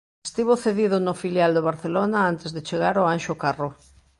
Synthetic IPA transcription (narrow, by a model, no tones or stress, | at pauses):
st̪iβoθeðiðʊnʊfiljald̪oβaɾθelonaant̪ezðet͡ʃeɣ̞aɾoanʃʊkarʊ